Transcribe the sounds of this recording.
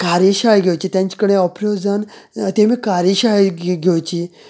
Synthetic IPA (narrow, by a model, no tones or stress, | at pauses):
kaɾiɕajɡʱewt͡ɕit̪jãɲt͡ɕkəɽ̃eɔpɾed͡zənt̪emiːkaɾiɕajɡʱewt͡ɕi